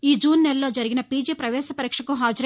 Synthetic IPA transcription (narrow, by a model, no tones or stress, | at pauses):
iːd͡ʒuːnːɛlɐlo̞ːd͡ʒɐɾiɡinɐpiːd͡ʒeːpɾɐʋɛːsɐpɐɾiːkʂɐkuɦaːd͡ʒɐɾ